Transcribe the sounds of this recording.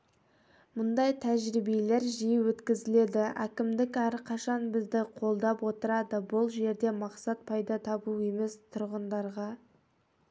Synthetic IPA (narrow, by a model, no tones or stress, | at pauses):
mʊnd̪ɑjt̪ʰæʒɾibele̞ɾʒijəwɵt̪kʲɪzɪle̞d̪ɪækʲɪmd̪ɪkæɾqʰɑʃɑnbɪzd̪ɪqʰo̞lˠd̪ɑpwo̞t̪əɾɑd̪əbʊlˠʒe̞ɾd̪e̞mɑqsɑt̪̚pʰɑjd̪ɑt̪ʰɑbue̞me̞st̪ʰʊɾʁənd̪ɑɾʁɑ